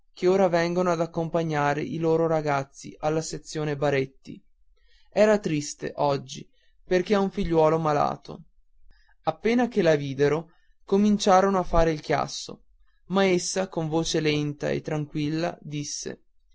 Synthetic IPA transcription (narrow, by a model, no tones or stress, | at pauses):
keoːɾavɛŋɡonoad̪akːompaɲːaːɾḛʔiloːɾoɾaɡat̪sːḭʔalːaset̪sːjoːnebaɾet̪ːḭ | ɛːɾat̪ɾist̪ḛʔɔd͡ʒːi | perkeauɱfiʎːwɔːlomala̰ːt̪o̰ | apːeːnak̟elaviːd̪eɾo | komint͡ʃaːɾonoafːaːɾeilk̟ja̰sːo̰ | maesːakoɱvoːt͡ʃelɛnt̪a̰ḛt̪ːɾaŋkwilːa̰d̪isːḛ